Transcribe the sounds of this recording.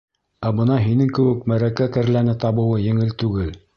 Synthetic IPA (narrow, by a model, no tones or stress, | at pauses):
æbɤ̆nɑɦinɘŋkɘ̆wɘ̆kmæɾækækæ̆ɾlænɘt̪ɑβɤ̆wɤjɘ̆ŋɘlt̪ʉɡɘl